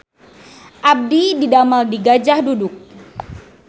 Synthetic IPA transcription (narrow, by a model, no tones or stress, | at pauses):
ʔab̚dididamaldiɡad͡ʒahdudʊk̚